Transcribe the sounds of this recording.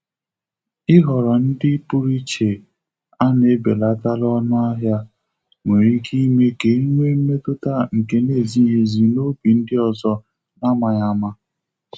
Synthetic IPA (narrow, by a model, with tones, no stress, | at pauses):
ɪ˦ɦɔ˨ɾɔ˨n̩˦dɪ˦pu˦ɾi˦t͡ʃe˨ | a˦ne˦be˨la˦ta˦lɔ˦nʊ˦a˦ɦja˦ | ŋʷe˨ɾi˦ki˦me˦ke˨i˦me˦m̩˦me˦tʊ˦ta˦ŋ̩˨ke˨ne˦˨zi˦ɦe˦zi˨no˦bi˨n̩˦dɪ˦ɔ˨zɔ˦ | na˦ma˨ɲa˦ma˦